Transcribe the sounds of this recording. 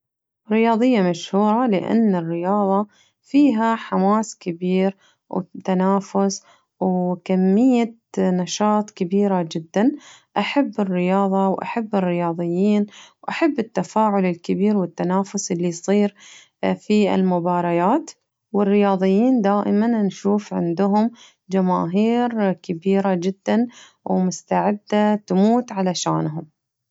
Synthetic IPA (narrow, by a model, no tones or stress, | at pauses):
ɾːɪjɑːðˤɨjːamaʃhuːɾˤɑlɪʔa̰nːɪrːɪjɑːðˤɑ | fiːɦaħamaːskɪbiːɾ | wt̪anaːfʊs | wkamːɪjːa | nɑʃɑːt̪ˤkɪbiːɾad͡ʒɪd̪ːanʔaħabːɪrːɪjɑːðˤɑwʔa̰ħabːɪrːɪjɑːðˤɨjːiːnwʔaħabːɪt̪ːafaːʕʊlɪlkɪbiːɾwɪt̪ːanaːfʊsʔɪlːijsˤiːɾ | fiɪ̰lmʊbɑːɾˤɑjaːt̪ | wɪrːɪjɑːðˤɨjːiːnd̪aːʔɪmannʃuːfʕɪ̰nd̪ʊɦʊm | d͡ʒama̰ːɦiːɾkɪbiːɾad͡ʒɪd̪ːan | wmʊst̪aʕɪd̪ːat̪muːt̪ʕalaʃaːnɦʊm